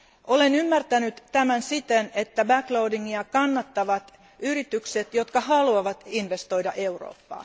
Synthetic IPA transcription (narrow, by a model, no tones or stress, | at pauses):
ʔolenymːært̪ænyt̪tæmænsit̪enet̪ːæbækloudiŋːiɑkɑnːɑt̪ːɑʋɑt̪ | yɾit̪ykset̪jot̪kɑhɑluɑʋɑt̪inʋest̪o̞ijdɑʔeuro̰ːpːɑ̰ː